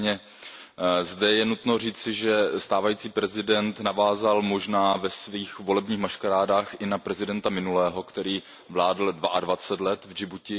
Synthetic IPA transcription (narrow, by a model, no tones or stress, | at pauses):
ɲɛ | zdɛjɛnut̪no̞riːt͡sɪʒɛst̪aːvajiːt͡siːpɾɛzɪdɛnt̪navaːzalmo̞ʒnaːvɛsviːxvo̞lɛbɲiːxmaʃkaɾaːdaːxʔɪnapɾɛzɪdɛnt̪amɪnulɛːɦo̞kt̪ɛɾiː | vlaːdl̩dvaʔadvat͡sɛt̪lɛt̪vd͡ʒɪbucɪ